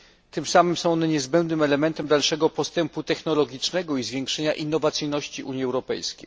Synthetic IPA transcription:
t̪ɘmsamɘmsɔ̃w̃ɔnɛɲɛzbɛnd̪nɘmɛlɛmɛnt̪ɛmd̪alʂɛɡɔpɔst̪ɛmput̪ɛxnɔlɔɡʲit͡ʂnɛɡɔizvʲjeŋkʂɛɲaʔinːɔvat̪sɘjnɔɕt͡ɕiʔuɲjiɛwɾɔpɛ̰jskʲḛj

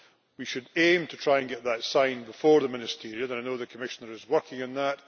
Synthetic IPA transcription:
wiʃɨdẽmtʰətʰɹ̥aɪɨ̃nɡɛʔðətsãɪ̃nbɪfɔɹðəmɪ̃nɪstʰiɹiəə̃naɪnoðəkʰəmɪʃənə˞ɪzwɜ˞kɪ̃ŋə̃nðəʔ

